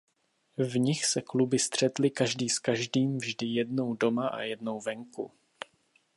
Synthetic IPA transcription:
vɲɪxsɛklubɪst̪r̝̥ɛt̪lɪkaʒdiːskaʒdiːmvʒdɪjɛdno̞wdo̞maʔa̰jɛdno̞wvɛŋkṵ

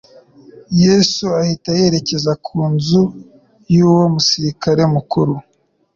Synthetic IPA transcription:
jesuahitaje̞ɾe̞ce̞zakʰuːnzu | juːwo̞musiɾikaɾe̞mukuɾu

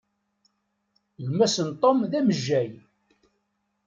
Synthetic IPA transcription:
lmːæsənt̪ˤomðæməʒːæj

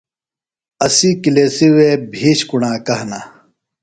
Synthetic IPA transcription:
ɐsikileːsiwebʱiːɕkuɳaːkɐɦna

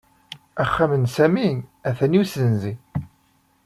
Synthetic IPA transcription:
æχːamənsæmiæθæniwsənzi

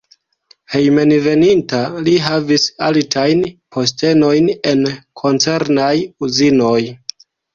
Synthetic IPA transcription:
he̞jme̞nve̞nintaliɦavisaltʰajnpʰo̞s̬te̞no̞jne̞nkʰo̞nt͡se̞ɾnajuzino̞j

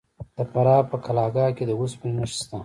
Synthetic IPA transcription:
d̪̥əpɐɾɑːpəkʰalɑːɡɑːked̪əwuspilnəʃst̪a

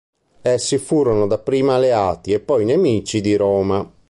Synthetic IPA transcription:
ɛsːifuːɾɔnod̪apɾiːmalɛaːt̪iɛpːɔjnemiːt͡ʃid̪iɾɔːma

